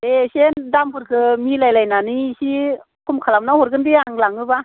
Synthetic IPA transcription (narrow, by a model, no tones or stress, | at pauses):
esendambɯɾkʰɯmilajlajnanɯsi | kʰumkʰalamnahɔɾɡɯndiaŋlaŋɯba